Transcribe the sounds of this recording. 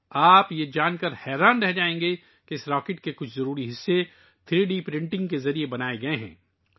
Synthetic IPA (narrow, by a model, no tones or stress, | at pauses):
aːpjed͡ʒaːnkɐɾhɛːɾaːnɾɛɦd͡ʒaːẽːŋɡe | keɪsɾaːkɪʈkekʊt͡ʃʰzɐɾuːɾiɦɪsːe | t̪ʰɪɾeɖipɾɪ̃ɳʈɪ̃ŋɡkezɐɾiebɐnaːeɡɐeɦɛ̰̃ː